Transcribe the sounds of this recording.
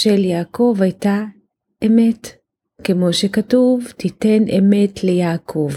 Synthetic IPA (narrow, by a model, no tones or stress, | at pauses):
ʃeljaːko̞vajta | ʔeme̞t | kemo̞ʃekatuvtitenʔeme̞tʰlejaːkʰo̞v